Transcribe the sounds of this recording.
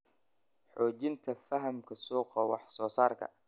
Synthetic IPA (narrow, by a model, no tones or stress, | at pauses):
ħɔːt͡ʃɪnt̪ʰɐfɐɦɐmkʰɐsuːqɐwɑ̰ħsɔːsaːrkʰɐ̰